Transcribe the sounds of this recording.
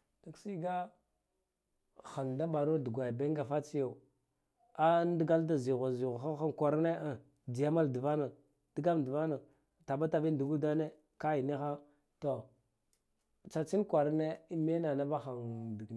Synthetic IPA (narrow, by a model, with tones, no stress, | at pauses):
d̥a˨ksi˦ɡa˦ | xa˨nda˦ɓa˨ɾo˦du˨ɡʷa˨jbe˦ŋ˦ɡa˨fa˦t͡si˦jo˦˨ | a˦n˦di˦ɡa˦lda˨zi˨ɣa˨zi˨ɣa˨xa˦a˦ŋ˨kʷa˨ɾne˦a˨ | di˨ja˦ma˦ldi˨va˦na˨ | di˦ɡa˦m˨di˨va˦na˨ | ta˨ba˦ta˨bi˦n˨du˨ɡu˦da˦ne˦ | ka˦i˨ni˦xa˦ | to˨ | t͡ʃa˨t͡ʃi˦nkʷa˨ɾne˦me˦na˨na˦ba˦xa˨ŋdi˨ɡ